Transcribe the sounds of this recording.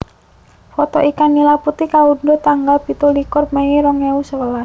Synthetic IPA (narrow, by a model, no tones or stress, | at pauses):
fɔt̪ɔʔikanːilaput̪ikaundot̪aŋɡalpit̪olikʊrmejeɾɔŋeusəwəlas